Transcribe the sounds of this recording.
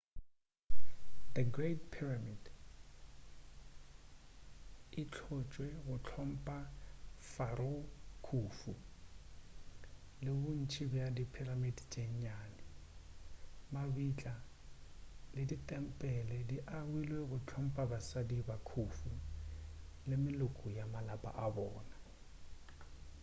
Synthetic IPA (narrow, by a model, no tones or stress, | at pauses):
dəɡretpʰiramid | ɪt͡ɬʰʊt͡ʃʼwɛɣʊt͡ɬʰɔm̩pʼafaɾokʰuːfu | lɪbʊn̩t͡ʃʰibjadipʰiramidt͡ʃʼeɲɲaːnɪ | mabit͡ɬʼa | lɪditʼɛm̩pʼɛlɛdiʔaɣwilweɣʊt͡ɬʰɔm̩pʼabasadibakʰufu | lɪmɪlʊkʼʊjamalapʼa̰ʔabɔːna